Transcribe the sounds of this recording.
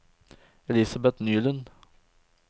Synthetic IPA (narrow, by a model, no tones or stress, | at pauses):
ɛlɪsabɛt̪nyːlən